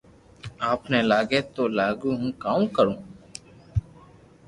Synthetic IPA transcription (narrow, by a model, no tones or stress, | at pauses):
aːpneːlaːɡeːt̪oːlaːɡuːɦũːkaːũːkəɾũː